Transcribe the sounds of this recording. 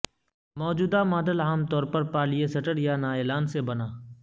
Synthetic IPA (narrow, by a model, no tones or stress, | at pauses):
mɔːd͡ʒuːd̪amaːd̪əlaːmt̪ɔːɾpɐɾpaːliesɐʈəɽjanaeːlaːnsebɐnaː